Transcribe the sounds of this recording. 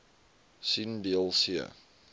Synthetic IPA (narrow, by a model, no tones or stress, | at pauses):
sindiəlˠsiə̰